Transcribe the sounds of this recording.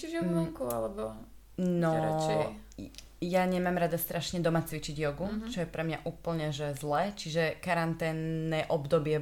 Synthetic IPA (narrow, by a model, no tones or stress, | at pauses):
t͡ʃiʒɛuɔŋkualɛbɔ | nɔɾaɛ | jaɲɛmamɾad̪ast̪ɾʔaʃɲɛd̪ɔmat͡sʋit͡ʃiɟjɔɡut͡ʃɔjɛpɾɛmɲaʔuːpl̩ɲɛʒɛzlɛːt͡ʃiʒɛkaɾant̪ɛːnːɛːʔɔbd̪ɔbɪɛ